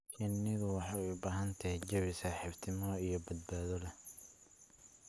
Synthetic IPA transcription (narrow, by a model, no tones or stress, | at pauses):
t͡ʃʰɪnːɪðʊwɑħɑʊbaːɦɐnt̪ʰɐhɛd͡ʒɐβɪsaːħɪft̪ʰɪmɔijɔbɐd̪̚baːðɔlɐ